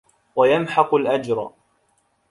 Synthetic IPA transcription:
wajamħɑqʊlʔad͡ʒɾˤ

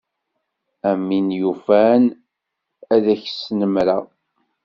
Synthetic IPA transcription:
æmːinjufæn | æðæçsnəmɾa

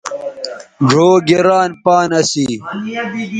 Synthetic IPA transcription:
ɖʱoːɡeɾaːnpaːnɐsi

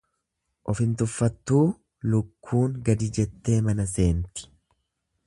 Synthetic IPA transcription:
ʔɔfɪnt̪ʊfːɐt̪ːuː | lʊkʰːuːŋɡɐd̪ɪd͡ʒɛt̪ːe̞ːmɐnɐs̬e̞ːnt̪ɪ̥

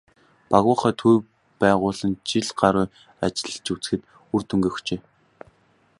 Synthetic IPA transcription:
paɣʊːχœːt̪ʰuj | pæːʁʊːɮə̆nt͡ɕiɮɢaɾʊː | at͡ɕɪ̆ɮ̆t͡ɕut͡sɘ̥̆xɘ̆t̪ | urt̪ʰɵŋɡeːxt͡ɕeː

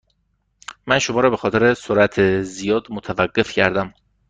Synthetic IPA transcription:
mænʃomɒːɾɒːbe̞xɒːt̪ʰeɾesoɾæt̪ʰezijɒːd̪mot̪ʰævæɢːe̞fcʰæ̰ɾd̪æm

